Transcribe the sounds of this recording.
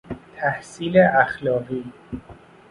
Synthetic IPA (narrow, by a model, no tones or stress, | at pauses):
t̪ʰæhsiːleʔæxlɒːɢiː